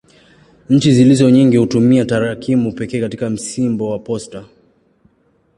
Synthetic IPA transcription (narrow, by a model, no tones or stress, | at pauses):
ɲ̩t͡ʃizilizɔɲiŋɡihutumiataɾakimupɛkɛːkatikam̩simbɔwapɔsta